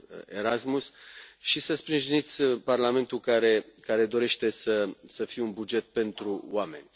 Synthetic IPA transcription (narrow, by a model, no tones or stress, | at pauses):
eɾasmusʃisəspɾinʒinit̪sʲparlame̞nt̪ukaɾe̞kaɾe̞d̪o̞ɾe̞ʃt̪e̞səsəfijeunbud͡ʒe̞t̪̚pe̞nt̪ɾuwame̞nʲ